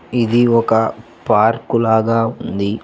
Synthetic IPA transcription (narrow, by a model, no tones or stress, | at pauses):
id̪iɔkɐ | paːɾkulaːɡaːund̪i